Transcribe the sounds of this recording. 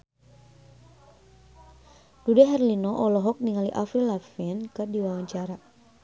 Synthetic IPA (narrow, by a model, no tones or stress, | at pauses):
dudɛɦɛrlinɔʔɔlɔɦɔk̚niŋaliʔafɾilafɛnkɨrdiwawaɲt͡ʃaɾa